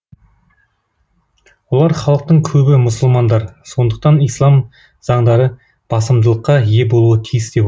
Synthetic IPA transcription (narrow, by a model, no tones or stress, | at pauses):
wolˠɑɾχɑlˠəq̚t̪əɴkʲʰɵbɪmʊsəlˠmɑnd̪ɑɾso̞nd̪əq̚t̪ɑnijslˠɑm | z̥ɑɴd̪ɑɾə | b̥ɑsəmd̪əlˠəqːɑje̞bo̞lˠuət̪ʰijɪsd̪e̞p